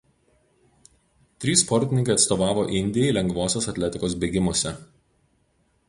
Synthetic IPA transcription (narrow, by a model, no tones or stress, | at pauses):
t̪ʲɾʲiːspɔɾʲt̪ʲɪnʲɪŋkɐɪɐt̪st̪oːʋɑːʋoːʔɪnʲd̪ʲɪjɛɪlʲɛŋɡʋoːsʲoːsɐt̪ʲlʲɛt̪ʲɪkoːsbʲeːɡʲɪmoɔsʲɛ